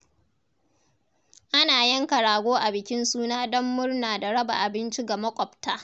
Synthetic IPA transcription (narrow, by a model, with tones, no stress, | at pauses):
ʔa˦naː˨jɐ˦ŋkɐ˨ɽaː˨ɡʷoː˦ʔa˨bɪ˨kʲɪ˦nsuː˦naː˦dɔ˦mːʊ˦rnaː˨da˨ɽɐ˦ba̰˨ʔa˨bɪ˦nt͡ʃi˦ɡa˨mɐ˦kʷʼɔ˨ptaː˦